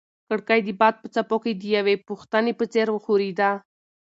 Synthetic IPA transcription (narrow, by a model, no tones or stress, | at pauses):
kəɽkajd̪ibɑd̪̚pət͡sapoked̪ijawepuxt̪anepət͡seɾwəxuɾid̪a